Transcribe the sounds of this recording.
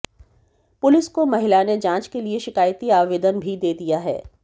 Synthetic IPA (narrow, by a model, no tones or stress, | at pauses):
pʊlɪskomɐɦɪlaːned͡ʒãːt͡ʃkelieʃɪkaːjt̪iaːʋeːd̪ənbʱid̪eːd̪ijaɦɛ̰ː